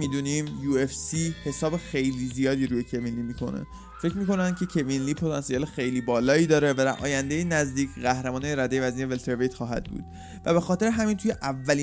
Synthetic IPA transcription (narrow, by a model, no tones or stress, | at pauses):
miːd̪uːnimjuːefsihe̞sɒːbe̞xe̞jliːzijɒːd̪iːɾuːjecʰevinliːmiːkʰo̞̰nḛ | fecʰɾmiːko̞nænd̪̥̚cʲʰe̞cʰe̞vinliːpʰo̞t̪ʰɒnsijɒːlexe̞jliːbɒːlɒːiːd̪ɒːɾe̞væd̪æɾʔɒ̰ːjænd̪ejenæzd̪iːcɢæhɾemɒːneɾæd̪ejvæziːevelt̪ʰeɾvejt̪χɒːɦæ̰d̪̚bṵd̪̥ | væbe̞xɒːt̪ʰe̞ɾeɦæmiːnt̪ʰuje̞ʔævːæliː